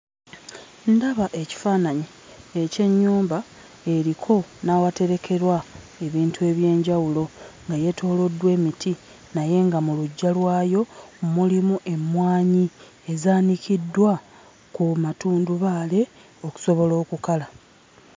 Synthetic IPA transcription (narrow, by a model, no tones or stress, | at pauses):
ndaβaʔe̞ci̥faːnaɲi | ece̞ɲːuːmba | e̞ɾikʰo̞nawate̞ɾe̞kʰe̞ɾwa | e̞βiːntue̞ːβje̞ːɲɟawulo̞ŋɡaje̞tʰo̞ːlo̞dːwe̞ːmitʰi | naje̞ŋɡamuluɟːalwaːjo̞mumulimuʔe̞mwaːɲi | e̞zaːnikidːwa | kumatuːnduβaːle̞ | o̞ku̥so̞βo̞lo̞ːkukala